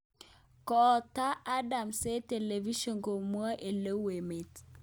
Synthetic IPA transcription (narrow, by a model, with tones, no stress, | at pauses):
kɔː˨ta˦ʔːda˨mse˦te˨le˨vi˦ʃo˨ŋko˨mu˦a˦ʔe˨lə˦we˨me˨t